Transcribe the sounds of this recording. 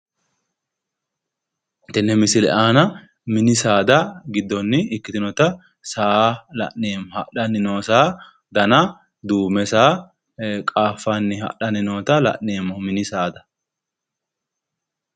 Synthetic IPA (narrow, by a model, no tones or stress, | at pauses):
t̪ːɛnːɛmɪsɪlɛ̰ʔaːnɐ | mɪnɪsaːd̪ɐɡɪd̪ːɔnːɪɪkːɪt̪ɪnɔt̪ɐ | saːlɐ̰ʔneːmɔhɐɗɐnɪnoːsaː | d̪ɐnɐ | d̪uːmɛsaː | kʼaːfːanːɪhɐ̰ʔɗɐnɪno̞ːt̪ɐlɐ̰ʔneːmːɔmɪnɪsaːd̪ɐ